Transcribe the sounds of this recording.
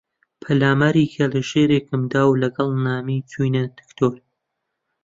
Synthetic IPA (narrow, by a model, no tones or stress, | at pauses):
pʰɐlaːmaɾikʰɐlɨʒeːɾeːkɨmd̪aːwlɐɡɐlˠnaːmit͡sʰujnɐd̪̥ɨ̥kt̪ʰoːɾ